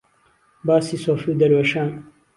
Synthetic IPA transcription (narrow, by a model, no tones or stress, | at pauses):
baːsisoːfud̪ɐɾwɐʃaːn